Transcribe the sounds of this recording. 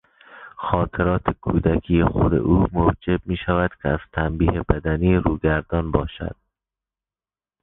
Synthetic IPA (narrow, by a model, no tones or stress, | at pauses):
xɒːt̪ʰeɾɒːt̪ʰekʰuːd̪ækʰiːexod̪ḛʔuːmowd͡ʒeb̚miːʃævæd̪̥kʰeæz̥t̪ʰæmbiːhebæd̪æniːɾuːɡæɾd̪ɒːnbɒːʃæ̰d̪̥̚